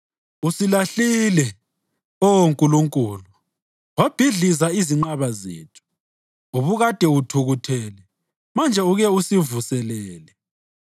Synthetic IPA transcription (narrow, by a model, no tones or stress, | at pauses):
usilaɬilɛ | ɔwoŋkʼuluŋkʼuːlu | wab̥ʱiɮizaiziŋ͡ǃaβazḛːtʰu̥ | uβuɣad̥ʱɛutʰuɣutʰɛːlɛ | mand͡ʒʱɛuɣɛusivusɛlɛːlɛ